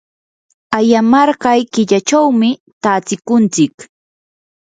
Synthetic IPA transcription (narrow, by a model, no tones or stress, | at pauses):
ajamɑɾɢɑjkɪʎat͡ʃawmɪt̪aːt͡sɪkʊnt͡sɪk